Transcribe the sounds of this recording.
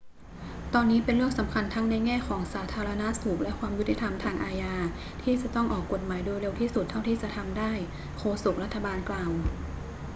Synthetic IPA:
t̪ɔː˧nːiː˦˥pe˧nɾɯ˥˩əŋsa˩˦mkʰa˧nt̪ʰa˦˥ŋna˧jŋɛː˥˩kʰɔː˩˦ŋsaː˩˦t̪ʰaː˧ɾa˧na˦˥suː˨˩k̚lɛ˦˥kʰwaː˧mju˦˥t̪ʰi˨˩t̪ʰa˧mt̪ʰaː˧ŋʔaː˧jaː˧ | t̪ʰiː˥˩t͡ɕa˨˩t̪ɔ˥˩ŋʔɔː˨˩kːo˨˩t̪̚maː˩˦jdoː˧jɾe˧wt̪ʰiː˥˩su˨˩t̪ʰːa˥˩wt̪ʰiː˥˩t͡ɕa˨˩t̪ʰa˧mdaː˥˩j | kʰoː˧su˨˩k̚ɾa˥t̪ʰːa˧baː˧nklaː˨w

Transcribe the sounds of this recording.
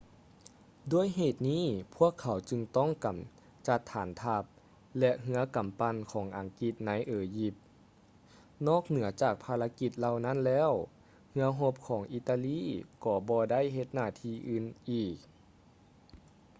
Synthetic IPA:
duː˧˩əjɦeː˨˩t̪̚niː˥˨pʰu˥˩əkʰːa˨˩˦wt͡ɕɯ˧ŋt̪ɔ˥˩˨ŋka˨˩m | t͡ɕa˧t̪ʰːaː˩˦nt̪ʰa˧p̚ | lɛ˧ʔɦɯ˧˦ɐka˨˩˦mpa˧˨nkʰɔː˩˦ŋʔa˨˦ŋki˧t̪̚na˧˥jʔeː˨˧ji˧p̚ | nɔː˥˩k̚nɯ˩˦ɐt͡ɕaː˨˩k̚pʰaː˧la˧˥ki˧t̪̚la˧wna˥˨nlɛː˧˥˨w | hɯ˧˥ɐɦo˧p̚kʰɔː˨˩˦ŋʔiː˧t̪a˧liː˧˥˨kɔː˧˩bɔː˧da˥˨jɦe˧t̪̚naː˧˩˨t̪ʰiː˧ʔɯː˧˩nʔiː˨˩k̚

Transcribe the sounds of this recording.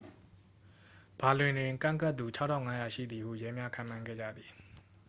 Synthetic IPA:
b̥a˨lwɪ̃˨ndɪ̃˨kã̰˦˨ŋka˦t̪ːu˨t͡ɕʰa˦tʰã˦˨ŋa˦ja˨ʃḭ˦˨d̪ði˨hṵ˦˨jɛ˦mja˦kʰã˨mã˨ŋɡɛ̰˦˨d͡ʑä̰˦˨d̪ði˨

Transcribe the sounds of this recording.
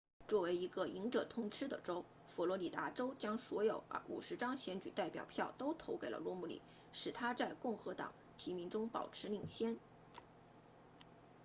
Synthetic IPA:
t͡swɔ˥˩we˧˥ɪi˧˥ɡə˧i˧˥ŋʈ͡ʂɤ˨˩t̪ʰʊ˥ŋʈ͡ʂʰɻ̩˥d̪ə̰˨ʈ͡ʂo˥ʊ | fɔ˨˩lwɔ˧˥li˨˩t̪a˧˥ʈ͡ʂo˥ʊt͡ɕjɑ˥ŋswɔ˧˥jo˨˧˩ʊ̰˥ṵ˨˩ʂɻ̩˧˥ʈ͡ʂɑ˥ŋɕjɛ˧˥nt͡ɕy˨˩t̪a˥˩ɪpjɑ̰˨˩ʊpʰjɑ˥˩ʊt̪o˥ʊt̪ʰo˧˥ʊke˨˩ɪlʔə̰˦lwɔ˥˧˥mu˥˩lḭ˨˩˦ | ʂɻ̩˨˩t̪ʰa˥t͡sa˥˧ɪkʊ˥˩ŋxɤ˧˥t̪ɑ̰˨˩˦ŋ | t̪ʰi˧˥mi˧˥ŋʈ͡ʂʊ˥ŋpɑ̰˨˩ʊʈ͡ʂʰɻ̩˧˥li˥˩ŋɕjɛ˥n

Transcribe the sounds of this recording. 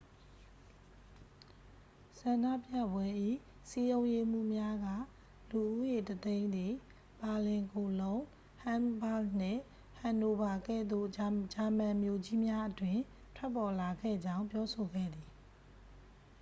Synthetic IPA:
sã˨nda̰˦˨pja̰˦˨bwɛ˦ʔḭ˦˨ | si˦jõ˦ʊ̃je˦m̥ṵ˦˨mja˦ɡä̰˦˨ | lu˨ʔu˦je˨tət̪ẽ˦ɪ̃nd̪ði˨ | ba˨lɪ̃˨ŋko˨lõ˦ʊ̃ | hã˦mba˦ln̥ɪ̰̃˦˨ | hã˨ndo˨ba˨ɡɛ̰˦˨d̪o̰˦˨d͡ʑa˨mã˨mjo˨d͡ʑi˦mja˦ʔətwɪ̃˨ | tʰwɛ˦pːɔ˨la˨ɡɛ̰˦˨d͡ʑã˦ʊ̃mpjɔ˦so˨ɡɛ̰˦˨d̪ði˨

